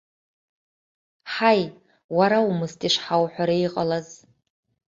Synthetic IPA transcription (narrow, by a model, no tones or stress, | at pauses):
ħaj | waɾaumɨstʼiʂħawħʷᶣaɾaiqʼa̰laz